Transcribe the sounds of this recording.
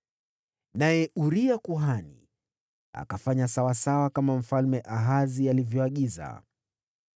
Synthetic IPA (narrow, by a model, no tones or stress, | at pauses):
najɛʔuɾiakuɦanḭ | a̰kafaɲasawasawakamam̩falmɛʔaɦazialivjɔaɠiza̰